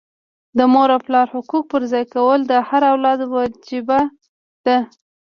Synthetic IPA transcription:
d̪əmoɾaplɑɾhʊkuk̚pəɾzɑjkawəld̪əhaɾawlɑd̪wɑd͡ʒiba | d̪̥a

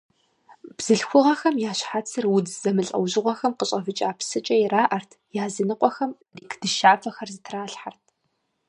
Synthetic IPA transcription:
b̥z̥ɨɬxʷʊʁɐxɐmjaːɕħat͡sʰɨrwʊdzɐmɨɬʼɐ̰wʒɪʁʷɔxɐmqəɕʼɐvɨt͡ʃʼaːpʰsɨt͡ʃʼɐjiraːʔɐrtʰjaːzinɨqʷʼɔxɐmrikʰd̥ɨʃaːfɐxɐrzɨtʰraːɬħart̚ʰ

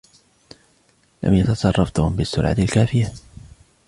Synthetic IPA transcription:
la̰mjat̪ɑsˤɑrˤːɑft̪ʊhʊmbɪsːʊlʕa̰t̪alkaːfɪja

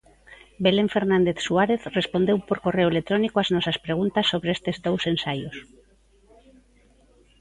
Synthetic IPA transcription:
beleɱfeɾnãnd̪eθsuaɾeθrespond̪ewpoɾkoreoelet̪ɾonikoaznɔsaspɾeɣ̞unt̪asːoβɾeest̪ezd̪owsensajos

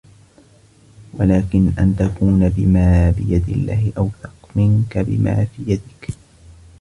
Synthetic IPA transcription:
walaːkɪnʔa̰nt̪akuːnabɪmaːbɪjad̪ɪlːaːhɪʔawθɑqmɪŋkabɪ̰ma̰ːfiːjad̪ɪk

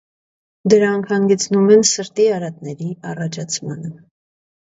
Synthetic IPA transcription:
d̪əɾɑŋkʰhɑŋɡɛt͡sʰnumɛnsəɾt̪iɑɾɑt̪nɛɾiɑrɑt͡ʃʰɑt͡sʰmɑnə

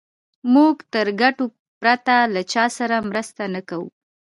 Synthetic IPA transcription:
muɡt̪əɾɡaʈo | pɾat̪alat͡ʃɑsaɾamɾəst̪anakawṵ

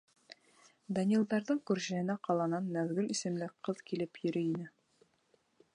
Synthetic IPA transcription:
d̪ɐnʲiilˠd̪ɑɾðɤɴkʉɾʑæhɘ̆næqɑlˠɑnɑnːæðɡɘlisɘ̆mlɘkqɤðkilɘpjɵ̆ɾɘinɘ

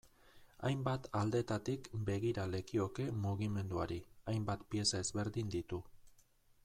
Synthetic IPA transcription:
ajmbat̪ald̪e̞t̪at̪ikbe̞ɣ̞iɾale̞kio̞ke̞muɣ̞ime̞nd̪uaɾiajmbat̪pie̞sae̞zβe̞ɾðind̪it̪u

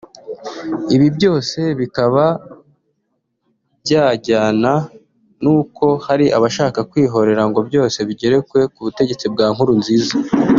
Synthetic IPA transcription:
iβibɟo̞ːse̞βikaβa | bjaːɟaːna | nuːko̞haɾiʔa̰βaʃaːkakwiːɦo̞ɾe̞ɾaŋɡo̞bjo̞ːse̞βiɟe̞ɾe̞kwe̞kuβute̞ɟet͡sib̚ɡaːŋ̥huɾunziːza

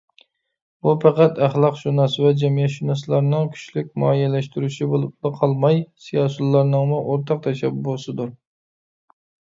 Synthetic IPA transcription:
bupʰɑqæt̪æχlˠɑqʃunɑsvɛd͡ʒɛmijɛt̪ʃunɑslˠɑɾnɨŋkʲʰy̥ʃlykʲmɑjɛlæʃt̪yɾyʃibolˠlɨqʰɑlˠmɑjsijɑsulˠːɑɾnɨŋmʊʔoɾt̪ʰɑq̚t̪ʰɛʃɛbbolˠsɨd̪ʊɾ

